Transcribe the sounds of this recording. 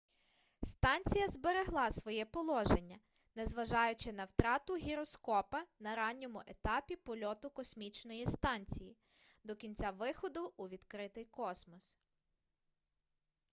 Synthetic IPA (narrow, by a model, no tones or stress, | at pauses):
st̪ɑnʲt͡sʲijɐzbe̞ɾeɦlˠɑsʋɔjɛpɔlˠɔʒe̞nʲːɐ | nɛzʋɐʒɑjʊt͡ʃɪnɐwt̪ɾɑt̪ʊɦʲiɾɔskɔpɐnɐɾɑnʲːɔmʊʔet̪ɑpʲipɔlʲɔt̪ʊkɔsmʲit͡ʃnɔjist̪ɑnʲt͡sʲiji | d̪ɔkʲinʲt͡sʲaʋɪxɔd̪ʊʔːʋʲid̪kɾɪt̪ɪjkɔsmɔs